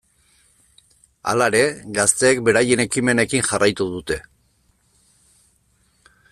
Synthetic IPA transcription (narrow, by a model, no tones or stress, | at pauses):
a̰laeɾe̞ɡast̪e̞ːkbe̞ɾajene̞kime̞ne̞kinʝarajt̪uðut̪e̞